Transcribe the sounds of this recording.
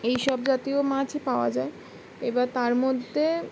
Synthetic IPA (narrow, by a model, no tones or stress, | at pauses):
ejʃɔbd͡ʑat̪iomãd͡ʑepaoa̰d͡ʑae | ebat̪aɾmod̪ʱːe